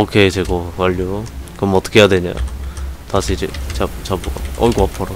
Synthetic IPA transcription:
okʰet͡ɕeɡokaʎːokɯɾʌmʌt͈ʌ̥kʰejadweɲa̰jo̰tasʰiɾiat͡ɕabuɡa̰ʌ̰iɡoapʰʌɾo

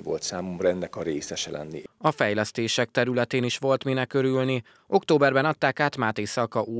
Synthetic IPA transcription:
vo̞̰lt̪saːmomɾɛnd̪ɛkɒrɾeːsɛʃɛlɛ̰nːḭɒfɛjlɛst̪eːʃɛk̚t̪ɛɾylɛt̪eːniʃʋo̞lt̪minɛkːø̞ɾylni | ʔo̞kt̪oːbɛrbɛnɒt̪ːaːkaːt̪maːt̪ejsɒkɒʔuː

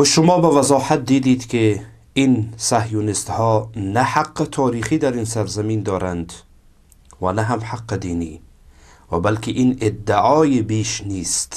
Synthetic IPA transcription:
wʃʊmɒːbavazɒːhat̪̚d̪iːd̪iːd̪kʰi | insahjunɪst̪hɔːnaħaqːɪt̪ʰɒːɾiːχiːd̪æɾinsaɾzamiːnd̪ɔːɾand̪ | vanaɦamħaqːɪd̪iːniː | vabalkʰiʔinɪd̪ːɪɒːjibiːʃniːst̪

